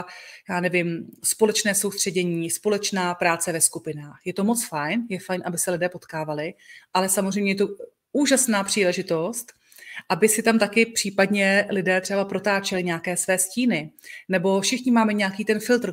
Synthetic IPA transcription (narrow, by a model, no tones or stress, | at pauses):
jaːnɛvɪmspo̞lɛt͡ʃnɛːso̞wst̪r̝̥ɛɟɛɲiːspo̞lɛt͡ʃnaːpɾaːt͡sɛvɛskupɪnaːxjɛt̪o̞mo̞t͡sfajnjɛfajnʔabɪsɛlɪdɛːpo̞t̪kaːvalɪʔalɛsamozr̝ɛjmɲɛjɛt̪o | uːʒasnaːpr̝̥iːlɛʒɪt̪o̞st̪ | ʔabɪsɪt̪amt̪akɪpr̝̥iːpadɲɛlɪdɛːt̪r̥ɛbapɾo̞t̪aːt͡ʃɛlɪɲɛakɛːsvɛːsciːnɪnɛbo̞fʃɪxɲɪmaːmɛɲɛjakiːt̪ɛnfɪlt̪ɾ